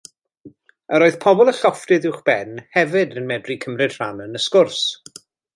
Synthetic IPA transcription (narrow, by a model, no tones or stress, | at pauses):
əɾoːɨð̥pʰɔbɔlˠəɬɔftɨðɪwχb̥ɛnhɛvɨdənmɛdrikʰəmrɨd̥r̥anənəskʊrs